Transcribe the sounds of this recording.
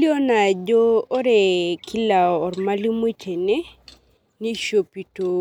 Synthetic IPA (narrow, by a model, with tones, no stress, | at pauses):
li˦o˦na˨d͡ʒoː˦ɾe˨kʰi˦laː˨ɾma˦li˦mu˦t͡ʃʰe˨ne˦ | ni˦ʃo˨pi˨to˨